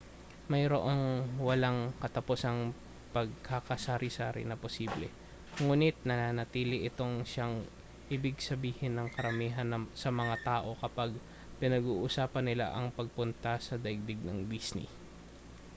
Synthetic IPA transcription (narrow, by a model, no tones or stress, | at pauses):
mɐjɾoʔoŋwɐlaŋkɐt̪ɐposɐŋ | pɐɡ̚kakɐsaːɾɪsaːɾɪ̰nɐposiːblɛ̰ | ŋuːnɪt̪̚nɐnanɐt̪iːlɪʔɪt̪o̞ŋʃaŋ | ʔɪbɪɡsɐbiːhɪnːɐŋkɐɾɐmiːɦɐnsɐmɐŋat̪aːʔo̞kɐpaɡ̚ | pɪnɐɡuːʔusaːpɐnːɪla̰ʔɐŋpɐɡ̚pʊnt̪ɐsɐd̪ɐɪɡ̚d̪ɪɡ̚nɐŋd̪isnɪ̰